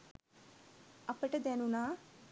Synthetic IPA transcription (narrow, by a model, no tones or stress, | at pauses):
ɐpːɐʈɐd̪enuna